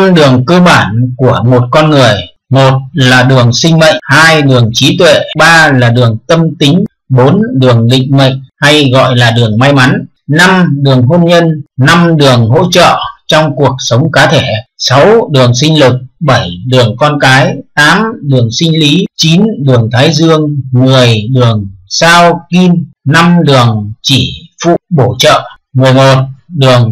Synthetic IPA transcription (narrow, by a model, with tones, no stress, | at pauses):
mɗɨ˨˩əŋkəː˧ɓaː˧˩nku˧˩əmo˨˩t̚kɔ˧nŋɨ˨˩əj | mo˨˩t̚laː˨˩ɗɨ˨˩əŋsï˧ŋ̟mə̰˧˨jŋhaː˧jɗɨ˨˩əŋt͡ɕi˨˦t̪wḛ˧˨ɓaː˧laː˨˩ɗɨ˨˩əŋt̪ə˧mt̪ï˨˦ŋ̟ | ɓo˨˦nɗɨ˨˩əŋlḭ˧˨ŋ̟mə̰˧˨jŋ̟ha˧jɣɔ̰˧˨jlaː˨˩ɗɨ˨˩əŋma˧jma˨˦n | na˧mɗɨ˨˩əŋɦo˧nɲə˧nna˧mɗɨ˨˩əŋɦo̰˧˥t͡ɕə̰ː˧˨t͡ɕɔ˧wŋ͡mku˨˩ək̚sə˨˦wŋ͡mkaː˨˦t̪ʰe˧˩sa˨˦wɗɨ˨˩əŋsï˧ŋ̟lɨ˨˩k̚ɓə˧˩jɗɨ˨˩əŋkɔ˧nkaː˨˦jt̪aː˨˦mɗɨ˨˩əŋsï˧ŋ̟li˨˦t͡ɕi˨˦nɗɨ˨˩əŋt̪ʰaː˨˦jzɨ˧əŋːɨ˨˩əjɗɨ˨˩əŋsaː˧wki˧nna˧mɗɨ˨˩əŋt͡ɕi˧˩fṵ˧˨ɓo˧˩t͡ɕə̰ː˧˨ | ŋɨ˨˩əjmo˨˩t̚ɗɨ˨˩əŋ